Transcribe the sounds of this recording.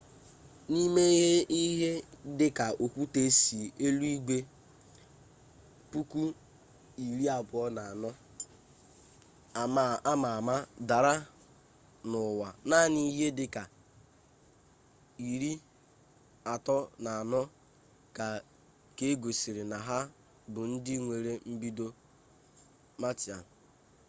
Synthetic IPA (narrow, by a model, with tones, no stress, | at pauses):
ni˦me˦ɦe˦i˦ɦe˦dɪ˦ka˨o˨kʷu˦te˦si˨e˦lu˦i˦ɡʷe˦ | pu˦kʷu˦ | i˨ɾi˦a˨bʊ˨ɔ˦na˨a˨nɔ˦ | a˨ma˨a˦ma˨ma˦da˨ɾa˦ | nʊ˨wa˨na˦ni˦ɦe˦dɪ˦ka˨ | i˨ɾi˦ | a˨tɔ˦na˨a˨nɔ˦ | ka˨ | ke˦ɡo˨si˨ɾɪ˨na˨ɦa˦ | bʊ˨n̩˦dɪ˦ŋʷe˨ɾe˦m̩˦bi˦do˦ | ma˦ti˨a̰˨n˨